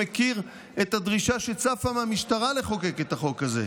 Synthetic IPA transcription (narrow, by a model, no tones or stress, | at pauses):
ekiʁ | et̪ad̪ʁiʃaʃet͡safamamiʃt̪aʁale̞χo̞keket̪aχo̞kazḛ